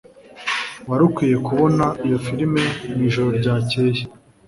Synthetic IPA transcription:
waɾukwiːje̞kuβo̞naijo̞fiɾime̞niːʒo̞ɾo̞ɾɟaːce̞ːje̥

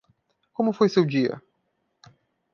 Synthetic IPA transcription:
kõmʊfojsewd͡ʒiɐ̰

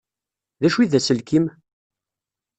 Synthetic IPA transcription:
ðæʃwiðæsəlkim

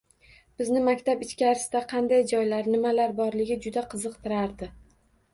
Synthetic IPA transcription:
b̥ɪznɪmakʲt̪ʰapɪt͡ʃkʲaɾɪsɪd̪aqʰɑnd̪ajd͡ʒɒjlaɾnɪmalaɾbɒɾlɪɡʲɪd͡ʒʊd̪aqʰɨzɨqt̪ʰɪɾaɾd̪ɪ

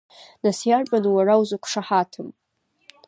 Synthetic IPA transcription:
nasjarpʼanuwarawzakʷʰʂaħatʰɨm

